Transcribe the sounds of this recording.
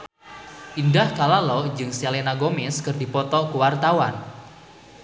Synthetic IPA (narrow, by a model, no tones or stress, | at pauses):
ʔindahkalalɔd͡ʒɨŋselenaɡomɪskɨrdi̤pɔt̪ɔkuwart̪awan